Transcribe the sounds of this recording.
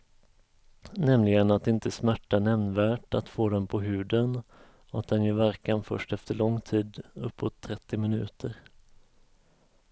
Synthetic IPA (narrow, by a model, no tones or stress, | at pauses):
nɛmlɪɡənat̪̚d̪ɛɪnt̪əsmæʈːanɛmnvæːʈat̪foːd̪ɛnpʰɔɦʉ̟ːd̪ən | ɔat̪̚d̪ɛnjɵvæɾkanfœ̰ʂʈɛft̪əɭɔŋːt̪ʰiːd̪ɵpːɔt̪ʰːɾɛt̪ːɪmɪnʉ̟̰ːt̪ʰəɾ